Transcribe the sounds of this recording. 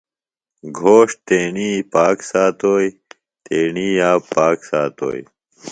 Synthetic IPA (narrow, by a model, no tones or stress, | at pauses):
ɡʱoːʂt̪eːɳiːpaːksaːt̪oːj | t̪eːɳiːjaːpaːksaːt̪o̰ːj